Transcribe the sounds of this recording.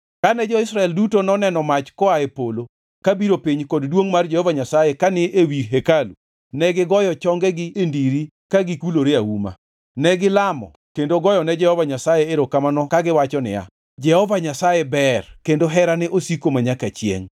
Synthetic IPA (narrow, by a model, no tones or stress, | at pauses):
kanɛd͡ʒɔɪsɾaɛldutonɔnɛnɔmat͡ʃkɔaepolo | kabiɾopiɲkɔddwoŋmard͡ʒɛhɔvaɲasajekanɪʔewiɦekalṵ | nɛɡɪɡɔjɔt͡ʃɔŋɡɛɡɪendiɾi | kaɡɪkuloɾeawuma̰ | nɛɡɪlamɔ̰ | kendoɡɔjɔnɛd͡ʒɛhɔvaɲasajeeɾokamanɔkaɡɪwat͡ʃɔnɪ̰ja̰ | d͡ʒɛhɔvaɲasajɛbɛrkendoɦɛɾanɛʔosikomaɲakat͡ʃjḛŋ